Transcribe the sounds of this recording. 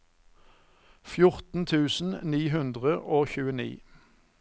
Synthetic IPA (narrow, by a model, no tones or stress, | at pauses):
fjʊʁt̪n̩t̪ʰʉːsn̩niːhʉnd̪ʁəʔoːçʉːənḭː